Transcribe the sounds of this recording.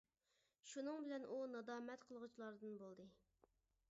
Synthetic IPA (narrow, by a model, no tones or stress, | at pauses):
ʃunɨŋbɪlɛnʔunɑd̪ɑːmɛt̪qʰəlˠʁut͡ʃʰilˠɑɾd̪ɨnbolˠd̪ɨ